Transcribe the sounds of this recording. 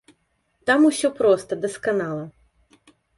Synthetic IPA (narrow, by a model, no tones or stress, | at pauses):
t̪amusʲɔpɾɔst̪ɐd̪ɛskɐnɑlˠɐ